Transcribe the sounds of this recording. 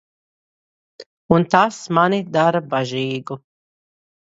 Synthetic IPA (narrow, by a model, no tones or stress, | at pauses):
unt̪asmanʲid̪aɾabaʒiːɡu